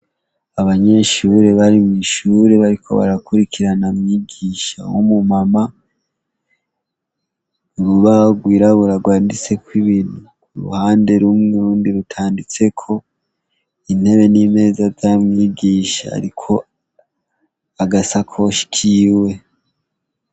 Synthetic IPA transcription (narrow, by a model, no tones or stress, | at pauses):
aβaɲe̞ʃuɾe̞βaɾimŋiʃuːɾe̞βaɾikʰo̞̰βa̰ɾakuɾikʰiɾanamɲiɡiʃa̰womumama | uɾuβaoɡwiːɾaβuɾaɡwaːndit͡se̞kwiβinu | uɾṵhaːnde̞ɾumuɾuːndiɾutʰaːndit͡se̞kʰo̞ | in̥he̞βe̞nime̞ːzazjamɲiɡiːʃa̰ːɾikʰo̞ | aɡasakʰo̞ʃi̥kʰiwe̞